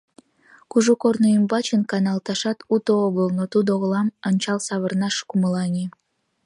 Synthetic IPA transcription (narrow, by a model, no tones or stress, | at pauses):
kuʒukornoimbɑt͡ɕənkɑnɑlˠt̪ɑʃɑt̪ut̪ooɣəlnot̪ud̪oɣəlɑmənʲt͡ɕɑlsɑβərnɑʃkuməlɑnʲi